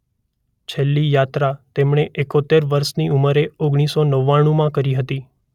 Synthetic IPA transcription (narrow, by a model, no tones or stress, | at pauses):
t͡ʃʰelːijat̪ɾat̪emɳ̃eʔekot̪eɾʋəɾʃniuməɾeoɡɽ̃isonəʋːaɽ̃ũmãkəɾiɦət̪i